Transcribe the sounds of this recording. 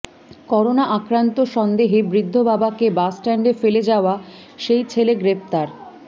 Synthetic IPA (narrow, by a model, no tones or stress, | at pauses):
kɔɾonaʔakɾant̪oʃɔnd̪eɦebɾid̪ʱːobabakebasʈɛɳɖefeled͡ʑaoa | ʃejt͡ɕʰeleɡɾep̚t̪aɾ